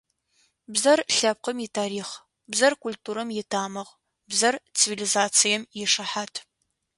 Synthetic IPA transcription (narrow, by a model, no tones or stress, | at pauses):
bzɐrɬɐp̚qəmitʰaːɾiːχ | bzɐrkʰultʰuːɾɐmjɪtʰaːmɐʁ | bzɐrt͡sʰivilizaːt͡sʰijɛmjɪʂɐħaːtʰ